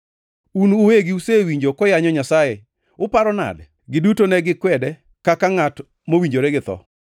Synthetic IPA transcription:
unuweɡɪusewiɲd͡ʒokɔjaɲɔɲasajɛ | ʊpaɾɔna̰d | ɡɪdutonɛɡɪkwɛdɛ | kakaŋat | mowiɲd͡ʒoɾɛɡɪt̪ɔ̰

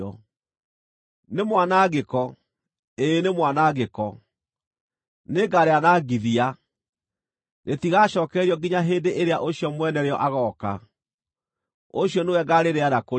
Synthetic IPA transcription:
ɔ | nemwanaɣekɔ | eːnemwanaɣekɔ | neɡaɾeanaːɡiðia | ɾetiɣaːɕɔːkɛɾiɔɡiɲaɦeːndeʔeɾeaʔoɕiɔmwɛnɛɾeɔʔaɣɔːka̰ | oɕjɔnewɛɡaɾeɾeanako

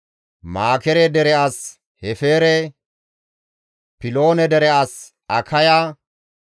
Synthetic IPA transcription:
maːkɛɾɛd̪ɛɾɛaːs | hɛfeːɾɛ | pɪlo̞ːnɛd̪ɛɾɛas | ɐkʰɐja

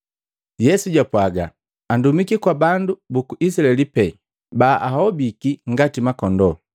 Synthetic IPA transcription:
jɛsuɟapwaɡa̰ | andumikikwabandubukuʔis̬ilaɛlipɛ | baʔaɦɔbikiŋɡatimakɔndɔ

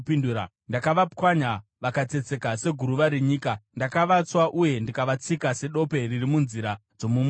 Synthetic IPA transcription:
pinduɾa̰ | ndakaʋapwaɲaʋakat͡se̞t͡se̞kase̞ɡʱuɾuʋaɾeɲiːkandakaʋat͡swaʔuje̞ndikaʋat͡sikase̞ɗo̞pe̞ririmunziɾad͡zo̞mum

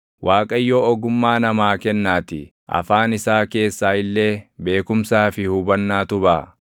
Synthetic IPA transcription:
wʔaːkʼɐjːoːɔɡʊmːaːnɐmaːkɛnːaːt̪ɪ̰ | ʔɐ̰faːnɪsaːke̞ːsːaːɪlːe̞ːbe̞ːkʊmsaːfɪhʊbɐnːaːt̪ʊbaː

